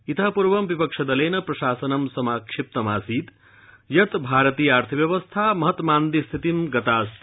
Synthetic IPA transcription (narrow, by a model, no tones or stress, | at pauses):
it̪ɐpuɾʋɐmbipɐkʂʰɐd̪ɐleːnɐpɾɐʃaːsɐnɐmsɐmaːkʂip̚t̪ɐmaːsiːt̪ | jɐt̪bʱaːɾɐt̪ijɐaːɾt̪ʰibjɐʋɐst̪ʰamɐɦɐt̪maːnd̪ist̪ʰit̪imɡɐt̪aːst̪